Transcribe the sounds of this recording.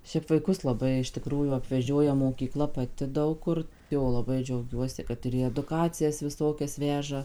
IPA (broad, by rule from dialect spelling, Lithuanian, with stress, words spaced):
ˈʃʲɛɪp ʋɐɪˈkʊs lˠɐˈbɐɪ ɪʃ tʲɪˈkruːjuː ɐpʲʋʲɛˈʒʲoːjɛ moːkʲiːˈklˠɐ pɐˈtʲɪ ˈdɐʊk kʊr ˈjoː lˠɐˈbɐɪ d͡ʒʲɛʊˈɡʲuɔsʲɪ ˈkɐt ɪr iː ɛdʊˈkɑːt͡sʲɪjɛs ʋʲɪˈsoːkʲɛs ˈʋʲæːʒɐ